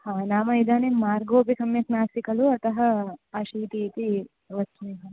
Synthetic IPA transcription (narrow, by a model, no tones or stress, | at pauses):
haːnaːmɐid̪aːnemaːɾɡoːp̬isɐmjɐknaːsikɐluɐt̪ɐɦɐɐʃiːt̪iːt̪i | ʋɐuiɦɐ